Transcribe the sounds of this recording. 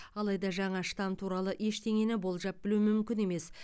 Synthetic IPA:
ɑlˠɑjd̪ɑʒɑɴɑʃt̪ɑmt̪ʰuɾɑlˠəʔe̞ʃt̪ʰe̞ŋe̞nɪbo̞lˠʒɑp̚bɪlumʏmkʲɪne̞me̞s

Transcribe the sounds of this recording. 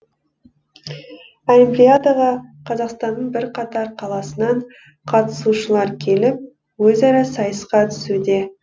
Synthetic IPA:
olʲimplʲiad̪aʁɑqʰɑzɑqst̪ɑnːəɴbɪɾqʰɑt̪ɑɾqʰɑlˠɑsənɑɴ | qʰɑt̪ə̥suʃəlˠɑɾkʲʰe̞lɪp̚ | wɵzæɾɪsɑjəsqɑt̪ʰʏ̥sud̪e̞

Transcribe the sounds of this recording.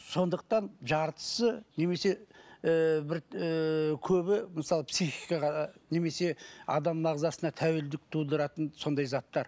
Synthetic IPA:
so̞nd̪əq̚t̪ɑnʒɑɾt̪ə̥səne̞me̞se̞ | bɪɾ | kʲʰɵbɪməsɑlˠəpsiχijkɑʁɑne̞me̞se̞ɑ̰d̪ɑmːɑʁzɑsənɑt̪ʰæweld̪ɪk̚t̪ʰud̪əɾɑt̪ənso̞nd̪ɑjzɑt̪ːɑɾ

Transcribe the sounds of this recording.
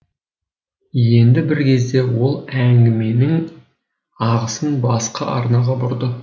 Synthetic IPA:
je̞nd̪ɪbɪɾkʲʰe̞zd̪e̞wo̞lˠæŋɡʲɪme̞nɪŋ | ɑʁəsənbɑsqəʔɑ̰ɾnɑʁɑbʊɾd̪ə

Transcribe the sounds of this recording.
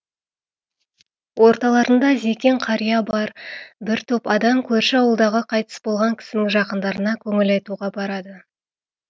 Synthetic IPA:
wo̞ɾt̪ɑlˠɑɾənd̪ɑze̞kʲe̞ɴqʰɑɾijɑbɑɾbɪɾt̪ʰɵpɑd̪ɑmkʲʰɵɾʃɪɑwəlˠd̪ɑʁəqʰɑjt̪ə̥sbo̞lˠʁɑŋkʲʰɪ̥sɪnɪŋʒɑqənd̪ɑɾənɑkʲʰɵŋɪlɑjt̪uʁɑbɑɾɑd̪ə

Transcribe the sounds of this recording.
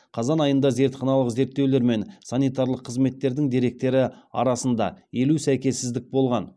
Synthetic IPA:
qʰɑzɑnɑjənd̪ɑze̞ɾt̪χɑnɑlˠəqze̞ɾt̪ːe̞wle̞ɾme̞nsanijt̪ɑɾlˠəqʰːəzme̞t̪ːe̞ɾd̪ɪŋd̪e̞ɾe̞k̚t̪e̞ɾɪɑ̰ɾɑsənd̪ɑ̰je̞lusæjkʲe̞sːɪzd̪ɪk̚bo̞lˠʁɑn

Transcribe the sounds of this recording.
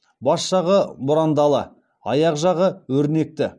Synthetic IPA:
bɑsʃɑʁəbʊɾɑnd̪ɑlˠə | ɑ̰jɑqʒɑʁəwɵɾne̞k̚t̪ɪ

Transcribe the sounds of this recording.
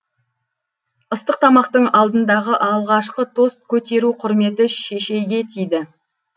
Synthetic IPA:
əst̪əq̚t̪ʰɑmɑqt̪əɴɑlˠd̪ənd̪ɑʁəʔɑlˠʁɑʃqət̪ʰo̞st̪̚kʲʰɵt̪e̞ɾuqʰʊɾme̞t̪ɪʃe̞ʃe̞jɡʲe̞t̪ʰijd̪ɪ

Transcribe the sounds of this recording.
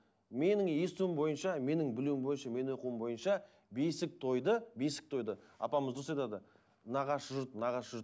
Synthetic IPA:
me̞nɪŋje̞st̪uɪmbo̞jənʃɑme̞nɪŋbɪluwɪmbo̞jənʃɑme̞nwoquwəmbo̞jənʃɑ | besɪk̚t̪ʰo̞jd̪əbe̞sɪ̥k̚t̪ʰo̞jd̪əɑ̰pɑməzd̪os̬ɑjt̪ɑd̪ə | nɑʁɑsʒʊɾt̪nɑʁɑsʒʊɾt̪

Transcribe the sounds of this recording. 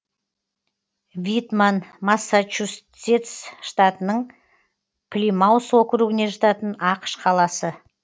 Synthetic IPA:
vʲit̪manmasːat͡ʃus | et̪sʃt̪at̪ənəɴ | pʰlʲimawswokʲɾuɡɪne̞ʒɑt̪ɑt̪ənɑqə̥ʃqʰɑlˠɑsə

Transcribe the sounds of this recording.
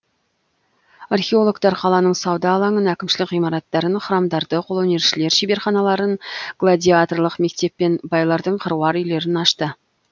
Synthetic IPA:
arχʲeo̞lˠo̞ɡt̪ɑɾqʰɑlˠɑnəɴsɑwd̪ɑːlˠɑɴənækʲɪmʃɪlɪkʁijmɑɾɑt̪ːɑɾənχəɾɑmd̪ɑɾd̪əqʰolˠoneɾʃɪle̞ɾʃibe̞ɾχɑnɑlˠɑɾənɡ̥lˠad̪ʲiat̪orlˠəqme̞k̚t̪e̞pːe̞nbɑjlˠɑɾd̪əɴqʰəɾuwɑɾʏjle̞ɾɪnɑʃt̪ə

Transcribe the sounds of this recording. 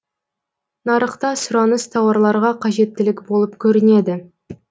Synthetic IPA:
nɑɾəqt̪ɑsʊɾɑnəst̪ʰɑwɑɾlˠɑɾʁɑqʰɑʒe̞t̪ːɪlɪkʲbo̞lˠəpkʲʰɵɾɪne̞d̪ɪ

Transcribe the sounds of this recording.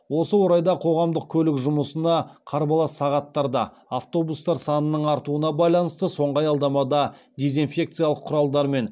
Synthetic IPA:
wo̞səwoɾɑjd̪ɑqʰo̞ʁɑmd̪əq̚kʲʰɵlɪkʒʊməsənɑqʰɑɾbɑlˠɑsɑʁɑt̪ːɑɾd̪ɑ̰ | aft̪o̞bust̪ɑɾsɑnənəɴɑɾt̪uənɑbɑjlˠɑnəst̪əso̞ɴʁɑjɑlˠd̪ɑmɑd̪ɑ | d̪ʲe̞zinfʲe̞k̚t̪sɨjaɑlˠəqʰʊɾɑlˠd̪ɑɾme̞n

